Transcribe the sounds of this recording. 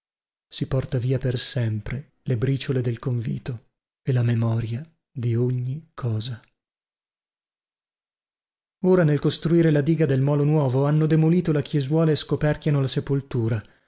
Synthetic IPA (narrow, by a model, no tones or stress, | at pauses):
sipɔrt̪aviːapersɛmpɾe | lebɾiːt͡ʃoled̪elkoɱvḭːt̪o | elamemɔːɾja | d̪ioɲːikʰɔːza | oːɾanelkost̪ɾuiːɾelad̪iːɡad̪elmɔːlonwɔːvoanːod̪emoliːt̪olakjezwɔːlaeskopɛrkjanolasepolt̪uːɾa